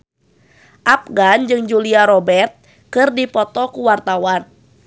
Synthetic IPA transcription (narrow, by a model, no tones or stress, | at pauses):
ʔap̚ɡand͡ʒɨŋd͡ʒuliaɾɔbɛrt̪̚ | kɨrdipɔt̪ɔkuwart̪awan